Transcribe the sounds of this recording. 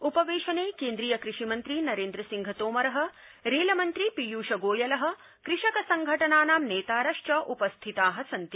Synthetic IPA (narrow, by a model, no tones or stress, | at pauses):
upɐʋeːʃɐneːkeːnd̪ɾijɐkɾiʂimɐnt̪ɾinɐɾeːnd̪ɾɐsiŋɡʱɐt̪oːmɐɾɐɦɐ̆ | ɾeːlɐmɐnt̪ɾipijuːʃɐɡoːjɐlɐɦɐ̆ | kɾɪʂɐkɐsɐŋɡʱɐʈɐnaːnaːmneːt̪aːɾɐʂʈɐʔupɐst̪ʰit̪aːɦɐ̆sɐnt̪i